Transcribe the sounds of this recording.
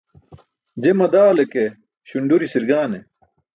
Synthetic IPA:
d͡ʑemɐd̪aːleke | ɕuɳɖuɾisiɾɡaːne

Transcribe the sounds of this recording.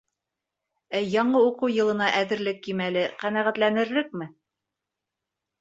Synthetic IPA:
æjɒɴɤuqɤwjɤ̆lˠɤ̆nɑʔæðɘ̆ɾlɘkːimælɘqænæʁæt̪lænɘ̆ɾlɘk̚mɘ

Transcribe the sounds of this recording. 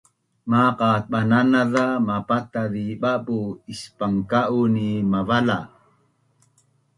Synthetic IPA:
maqat̪̚ɓananaðamapat̪aðiɓapuispaŋkaʔunimavala

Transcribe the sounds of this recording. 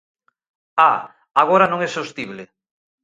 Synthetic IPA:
a | aɣ̞oɾanõŋɛsost̪iβle

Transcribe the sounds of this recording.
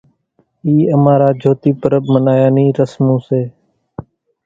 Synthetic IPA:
iːəmaːɾaːd͡ʒʱoːt̪iːpəɾəbmənaːjaːniːɾəsmõːseː

